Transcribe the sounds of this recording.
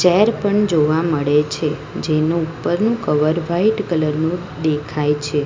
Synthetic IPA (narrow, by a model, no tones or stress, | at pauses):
t͡ʃɛɾpəɳd͡ʒoʋaməɭet͡ʃʰe | d͡ʒenũupːəɾnũkəʋəɾʋaiʈkələɾnũ | d̪ekʰajt͡ʃʰe